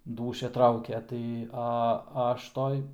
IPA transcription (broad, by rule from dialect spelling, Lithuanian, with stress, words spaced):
ˈduːʃʲɛ ˈtrɐʊkʲɛ tɐɪ ɐ ˈɐʃ ˈtoːj